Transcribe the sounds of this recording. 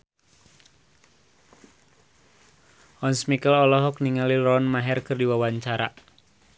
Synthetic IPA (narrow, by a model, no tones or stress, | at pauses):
ʔɔnsmikəlɔlɔɦɔk̚niŋalilɔnmaɦɛrkɨrdiwawaɲt͡ʃaɾa